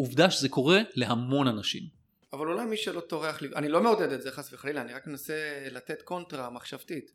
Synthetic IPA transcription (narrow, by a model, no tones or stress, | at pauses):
uvdaʃezeko̞ʁe̞le̞ɦamo̞nanaʃḭm | avalulajmiʃelo̞to̞ʁeaχlianilo̞meoded̪etzeχasveχalilaːniʁakme̞naselate̞tko̞ntʁamaχʃavtit